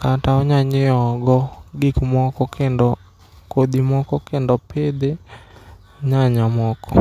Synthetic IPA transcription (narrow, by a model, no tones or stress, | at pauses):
kataɔɲaɲɪɔɡɔɡikmɔkɔkɛndɔ | kod̪imɔkɔkɛndɔpɪd̪ɪ | ɲaɲamɔkɔ̰